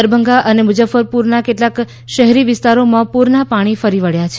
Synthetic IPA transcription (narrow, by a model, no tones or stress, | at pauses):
əɾbʱəŋɡaʔənemʊd͡ʒəfəɾpuɾnakeʈlak | ʃəɦɛɾiʋɪst̪aɾomãpuɾnapaɽ̃ifəɾiʋəɭjat͡ʃʰ